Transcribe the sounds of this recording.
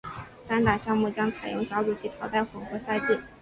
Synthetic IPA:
t̪a˧˥nt̪a˨˩ɕjɑ˥˧ŋmu˥˩t͡ɕjɑ˥ŋt͡sʰa˨˩ɪjʊ˥˩ŋɕjɑ˧˥ʊʈ͡ʂu˨˩t͡ɕʰi˥t̪ʰɑ˧˥ʊt̪a˥˩ɪxʊ˨˩ŋxɤ˧˥sa˥ɪt̪i˥˩

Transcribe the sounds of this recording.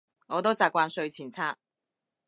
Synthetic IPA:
ŋɔː˨˧t̪o˥wt͡saː˨kʷwaː˧nsɵ˧ɥt͡sʰiː˨˩nt͡sʰaː˥t̚

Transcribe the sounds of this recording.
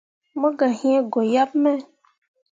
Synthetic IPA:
mõ˦ɡa˨ɦĩ˦e˦ɡo˨ja˦bmɛ̃˦

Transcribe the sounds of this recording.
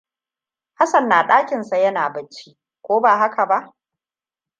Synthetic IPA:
ha˦sɐ˨nːaː˨ɗaː˦kʲɪ˨nsa˨jɐ˦naː˨bɐ˨t͡ʃːi˦ | kʷoː˦baː˨ɦa˦kʰa˨ba˦ʔ

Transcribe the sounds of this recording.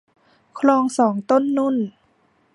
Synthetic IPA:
kʰlɔː˧ŋsɔː˩˦ŋt̪o˥˨nːu˧˥˨n

